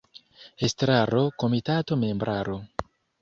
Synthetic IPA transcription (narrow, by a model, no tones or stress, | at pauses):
estɾaɾo̞ko̞mitato̞me̞mbɾʔaɾo